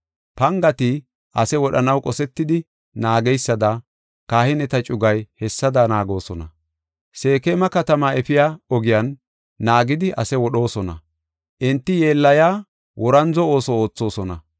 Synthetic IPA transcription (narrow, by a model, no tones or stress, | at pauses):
pɐŋɡɐt̪i | ʔɐsɛwɔɗɐnɐwkʼɔsɛt̪ːɪd̪ɪ | naːɡɛjsːɐd̪ɐ | kaːhɪnɛt̪ɐt͡ʃʼʊɡɐjhɛsːɐd̪anaːɡo̞ːsɔnɐ | se̞ːkemɐkɐt̪ɐmaɛfɪjaːɔɡɪjɐnː | aːɡɪd̪ɪʔɐsɛwɔɗo̞ːsɔnɐ̰ | ʔɪnt̪ːɪje̞ːlːɐjaː | wʔɔɾɐnzɔo̞ːsɔoːt͡sːo̞ːsɔnɐ